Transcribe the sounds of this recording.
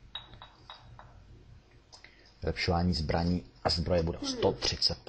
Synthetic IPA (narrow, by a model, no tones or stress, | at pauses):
vɪlɛpʃovaːɲiːzbɾaɲiːʔazbɾojɛbudɛʔost̪ot̪r̝̥ɪt͡sɛt̪̚p